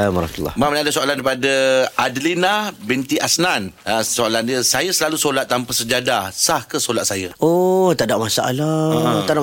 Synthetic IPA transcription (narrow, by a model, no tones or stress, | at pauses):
maɾmt̪ula̰mamənadasoalanɾipadəʔadlinabint̪iʔasnanasoalandiəsajəsəlalusolat̪ːampasəd͡ʒadasahkəsolat̪̚sajəot̪adaʔmasaʔa̰lat̪ada